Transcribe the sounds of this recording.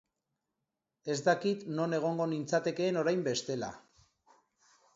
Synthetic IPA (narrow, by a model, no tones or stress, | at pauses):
e̞zd̪akit̪no̞ne̞ɣ̞o̞ŋɡo̞nint͡sat̪e̞ke̞ːno̞ɾajmbe̞st̪e̞la̰